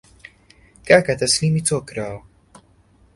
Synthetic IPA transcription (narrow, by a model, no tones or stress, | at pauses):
kakat̪aslimit͡sokɾaw